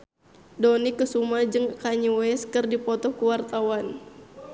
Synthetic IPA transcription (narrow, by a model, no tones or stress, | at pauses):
dɔnikəsumad͡ʒɨŋkaɲuwɛskɨrdipɔt̪ɔkuwart̪awan